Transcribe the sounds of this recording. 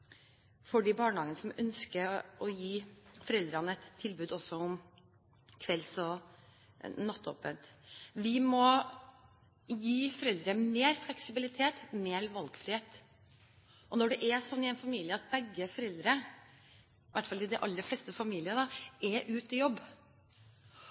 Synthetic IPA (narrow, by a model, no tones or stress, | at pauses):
fɔɖiːbɑːɳhɑːɡənəsɔmœnskəʔɔjiːfɔɾɛld̪ɾɑnəɛt̪ʰːɪlbʉːd̪ɔsɔʊm | kʰʋɛlsɔ | nɑt̪ːo̰ːpənt̪ʋɪmɔ | jiːfɔɾɛld̪ɾəmeːɾflɛksɪbɪlɪt̪ʰeːt̪meːɾʋɑlɡfɾɪheːt̪ | ɔnɔɖɛʔɛsɔnːɪɛɪnfɑmiːlɪəɑt̪̚bɛɡːəfɔɾɛld̪ɾə | ʋʔæʈːfɑlɪd̪ɛʔɑlːəɾflɛːst̪əfɑmiːlɪəd̪ɑɛɾʔʉːt̪ɪjɔbː